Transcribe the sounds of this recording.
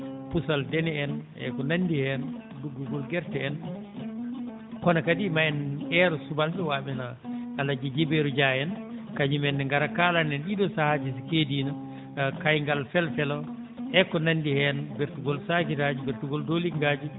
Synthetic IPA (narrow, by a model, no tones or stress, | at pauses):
pusaldɛnɛɛnʔɛ̰kɔnandihɛn | duɡːuɡɔlɡɛɾtɛɛn | kɔnakadimaɛnɛɾɔsubalɓɛwaːɓina | alad͡ʒid͡ʒibeɾud͡ʒajɛnkaɲimɛnːɛŋɡaɾakalanɛnɗiɗɔsahad͡ʒɛsikediːna | kajŋɡalfɛlfɛlɔ | ʔɛkɔnandihɛnbeɾtuɡɔlsakitad͡ʒibɛɾtuɡɔldoliŋɡad͡ʒi